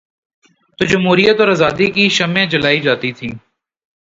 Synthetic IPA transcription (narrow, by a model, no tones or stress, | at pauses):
t̪oːd͡ʒɐmɦuːɾijət̪ɔːɾaːzaːd̪ikiʃɐmẽd͡ʒəlaːid͡ʒaːt̪it̪ʰḭ̃ː